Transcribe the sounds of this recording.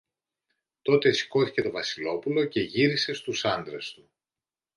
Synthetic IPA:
t̪o̞t̪esi̥ko̞θice̞t̪o̞vɐsilo̞pulo̞ce̞ʝiɾise̞st̪usɐnd̪ɾe̞st̪u

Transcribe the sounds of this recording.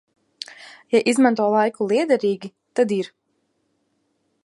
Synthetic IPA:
jaʔizmant̪uɔlˠajkulˠiɛd̪ɛɾiːɡʲi | t̪ad̪iɾ

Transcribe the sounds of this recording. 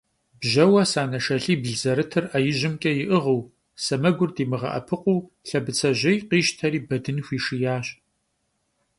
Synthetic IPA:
bʒɐwɐsaːnɐʃɐɬiːbɮzɐɾɨtʰɨrɐjɪʑɪmkʲʼɐjɪʔɨʁəw | sɐmɐɡʷʊrdiːmɨʁɐ̰ʔɐ̰pʰɨqʷʼuw | ɬɐbɨt͡sʰɐʑɐjqiːʃtʰɐɾiːbɐdɨnxʷiːʂijaːɕʼ

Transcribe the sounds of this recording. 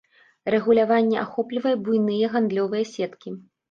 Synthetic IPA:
rɛɣulʲavanʲːɛʔaxɔplʲivɐjɛbujnɨjɛɣand̪lʲɔvɨjɛsʲɛt̪kʲi

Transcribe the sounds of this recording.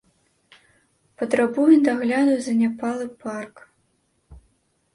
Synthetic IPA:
pɐt̪ɾabujɛd̪aɣlʲad̪ujzɐnʲapalˠɨpark

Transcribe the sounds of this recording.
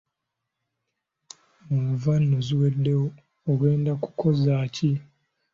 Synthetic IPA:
uvanːoziwedːe̞woː | ɡe̞ːndaku̥kʰo̞zaːci

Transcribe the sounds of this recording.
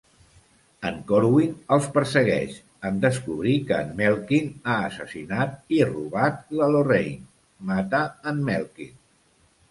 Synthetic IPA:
əŋkoɾwinəlˠspəɾsəɣ̞ɛ̰ʃ | ənd̪əskuβɾikənmɛlˠkinaəsəsinat̪̚iruβat̪ləlorḛjn | mat̪əːnmɛlˠkḭn

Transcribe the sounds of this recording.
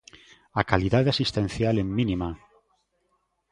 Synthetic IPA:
akaliðaðeasist̪ẽnθjaleːinima

